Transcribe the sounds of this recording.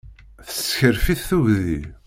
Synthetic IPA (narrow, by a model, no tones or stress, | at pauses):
θəsçəɾfiθθuʝði